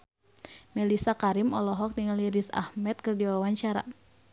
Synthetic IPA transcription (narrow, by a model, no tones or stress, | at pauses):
mɛlisakaɾimɔlɔɦɔk̚diŋaliɾisa̰hmɛt̪̚kɨrdiɔawaɲt͡ʃaɾa̰